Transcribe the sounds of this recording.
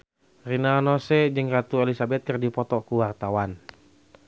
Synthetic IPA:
rinanɔsɛd͡ʒɨŋrat̪uɛlisabɛt̪̚kɨrdipɔt̪ɔkuwart̪awan

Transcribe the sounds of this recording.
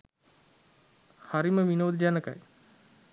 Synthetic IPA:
haɾiməʋinoːd̪id͡ʒanəka̰j

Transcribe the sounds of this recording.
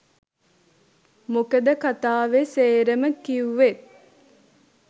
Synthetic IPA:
mokəd̪əkat̪aːʋeseːɾəməkiuʋet̪̚

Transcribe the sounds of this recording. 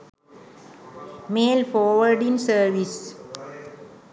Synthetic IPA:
meːlfɔːʋəɾɖĩnsəɾʋis

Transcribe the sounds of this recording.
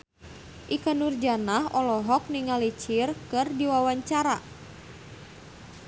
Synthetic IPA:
ʔikanurd͡ʒanaɦɔlɔɦɔk̚niŋalit͡ʃirkɨrdiwawaɲt͡ʃaɾa

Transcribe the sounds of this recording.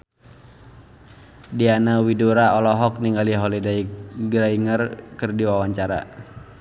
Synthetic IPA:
dianawiduɾaɔlɔɦɔk̚niŋɡaliɦɔlidaiɡɾaiŋərkɨrdiwawaɲt͡ʃaɾa̰

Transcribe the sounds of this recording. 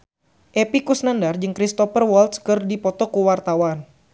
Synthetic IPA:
ʔepikusnandard͡ʒɨŋkɾist̪ɔfərwɔlt̪skɨrdipɔt̪ɔkuwart̪awan

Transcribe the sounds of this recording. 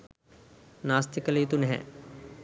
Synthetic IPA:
naːst̪ikɐlɐit̪unɦɛ̰̃

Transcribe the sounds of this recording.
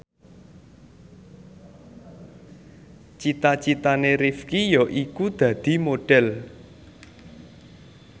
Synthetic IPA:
t͡ʃit̪at͡ʃit̪aneɾifkijɔʔikud̪̥ä̤d̪̥i̤moɖ̥ɛl

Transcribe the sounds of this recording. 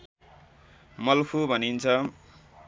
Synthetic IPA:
mʌlkʰubʱʌnint͡sʰʌ

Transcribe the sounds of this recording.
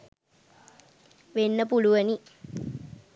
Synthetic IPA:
ʋenːəpuluʋəni

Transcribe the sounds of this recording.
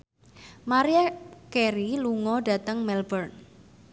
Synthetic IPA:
maɾiakeɾiluŋɔɖä̤t̪əŋmɛlbərn

